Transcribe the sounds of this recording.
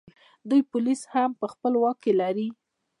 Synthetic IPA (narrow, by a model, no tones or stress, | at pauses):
d̪ujpʊlishampəxpəlwɑkːelaɾi